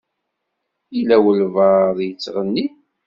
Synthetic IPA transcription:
ilæwəlvəðjət͡sːʁənːi

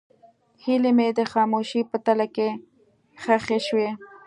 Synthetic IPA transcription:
hilemed̪əxɑmoʃipət̪alake | xaxeʃwe

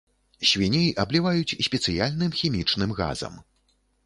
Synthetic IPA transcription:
ɕʲvʲinʲɛjʔɐblʲivajut͡sʲsʲpʲɛt̪sɨjalʲnɨmxʲimʲit͡ʂnɨmɣa̰zɐ̰m

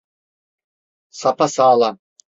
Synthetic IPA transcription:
sapʰasaːlˠa

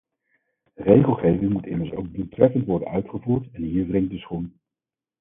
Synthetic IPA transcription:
rejχəlˠχejvɪŋmutɪ̰məɹso̰wɡ̚dutrɛfəntʋɔɹdə̰nœɥtχəvuːɹtɛnɦiːɹdrɪŋ̚dəsχun

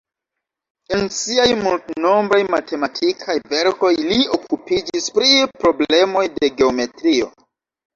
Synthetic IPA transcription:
e̞nsiajmultno̞mbɾajmate̞matʰikʰajve̞ɾko̞jlio̞kupid͡ʒispɾipɾo̞ble̞mo̞jde̞ɡe̞o̞me̞tɾio̞̰

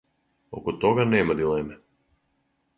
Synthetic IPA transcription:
ɔ̰kɔt̪ɔɡanɛːmad̪ilˠɛmɛ

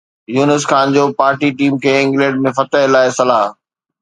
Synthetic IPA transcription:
juːnəsxaːnd͡ʑoːpaːɾʈiʈiːmkʰeɪ̃ːŋɡleːɖmẽfɐt̪əɦɪlaːesɐlaːɦ

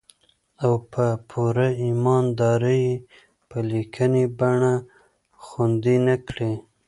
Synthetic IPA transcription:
awpʰəpʰuɾaimɑnd̪ɑɾəje | pəlikʰənibaɳa | xand̪inakɽe

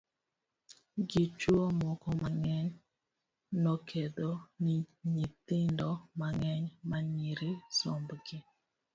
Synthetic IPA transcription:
ɡit͡ʃwomɔkɔmaŋɛɲ | nɔkʰed̪oniɲit̪ɪndɔmaŋɛɲmaɲiɾɪsɔmbɡɪ

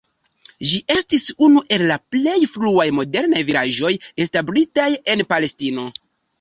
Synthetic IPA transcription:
ʒiʔe̞stisunuʔe̞lːaple̞jfluajmo̞de̞ɾnajviɾaʒo̞jestablitaje̞npale̞stino̞

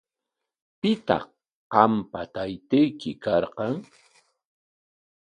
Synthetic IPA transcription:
pɪt̪ɑ̰χ | qɑmpat̪ajt̪ejkɪkɑɾqɑŋ

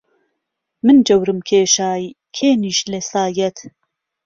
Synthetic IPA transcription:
mɨnd͡ʒɐwɾɨmkʰeːʃaːj | kʰeːniʃlesaːjɛt̪ʰ

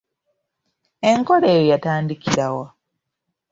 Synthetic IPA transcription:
e̞ŋko̞ɾeːjojataːndikiɾawa

